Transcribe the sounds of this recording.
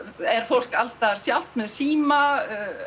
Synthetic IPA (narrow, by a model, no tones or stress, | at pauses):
ɛɾ̥fowl̥kalst̪aːðaɾ̥sjawl̥t̪̚nʏsiːma